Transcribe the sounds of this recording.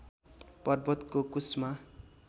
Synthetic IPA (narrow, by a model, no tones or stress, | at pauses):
pʌrbʌt̪kokusma